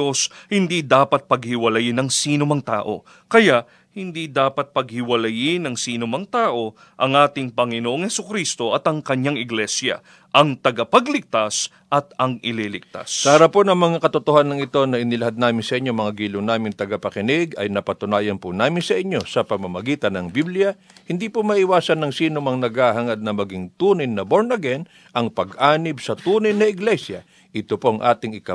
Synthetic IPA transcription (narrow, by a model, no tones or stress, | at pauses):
oshɪnd̪id̪aːpɐt̪̚pɐɡhɪwɐlɐjɪnɐŋsiːnʊmɐŋt̪a̰ːʔo̞̰ | kɐjaʔ | hɪnd̪id̪aːpɐt̪̚pɐɡ̚hɪwɐlɐjɪnɐŋsiːnʊmɐŋt̪aːʔo̞ | ʔɐŋʔaːt̪ɪŋpɐŋɪnoʔoŋhɛsʊkɾist̪o̞ʔɐt̪ɐŋkɐɲaŋɪɡlɛsjɐ̰ | ʔɐŋt̪ɐɡɐpɐɡlɪk̚t̪as | ʔɐt̪ɐŋɪlilɪk̚t̪a̰spaɾɐponɐŋmɐŋakɐt̪ot̪ohanːɐŋɪt̪o̞nɐʔɪnɪlɐɦad̪̚naːmɪnsɐʔɪɲːomɐŋaɡiːlʊŋnaːmɪnt̪ɐɡɐpɐkɪnɪɡɐ̰jnɐpɐt̪ʊnaːjɐnpʊnaːmɪnsɐʔɪɲːo̞sɐpɐmɐmɐɡiːt̪ɐnɐŋbiblɪjɐ | hɪnd̪ipomɐʔɪwaːsɐnːɐŋsiːnomɐŋnɐɡahaŋɐd̪̚nɐmɐɡɪŋt̪uːnɐjnɐboɹnɐɡɛn | ʔɐŋpɐɡʔaːnɪbsɐt̪uːnɐjnɐɪɡlɛsjɐ | ʔɪt̪opoɐŋʔa̰ːt̪ɪŋɪka